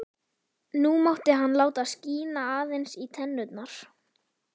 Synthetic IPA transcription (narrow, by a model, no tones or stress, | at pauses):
numawht̪ɪɦanːlaːwt̪asciːnaaːðejnsit̪ʰɛnːʏt̪naɾ̥